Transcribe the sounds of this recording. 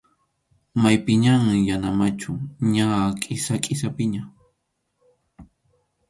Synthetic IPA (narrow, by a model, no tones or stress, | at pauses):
majpɪɲamjanamat͡ʃʊɲakʼɪsakʼɪsapɪɲa